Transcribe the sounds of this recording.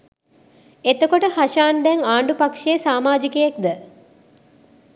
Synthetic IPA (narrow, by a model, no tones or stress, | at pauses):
et̪əkoʈəhaʃaːnd̪ɛŋaːɳɖupakʂesaːmaːd͡ʒikəjek̚d̪ə